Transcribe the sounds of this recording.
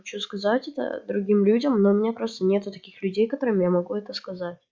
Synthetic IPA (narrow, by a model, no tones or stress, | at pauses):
xɐt͡ɕuskɐzatʲɛt̪ə̰d̪ɾʊɡʲimlʲudʲəmnoʊmʲɪnʲapɾo̞st̪ənʲe̞t̪ʊt̪ɐkʲixlʲʉdʲejkɐt̪o̞ɾɨmʲɪjamɐɡuɛt̪əskɐzatʲ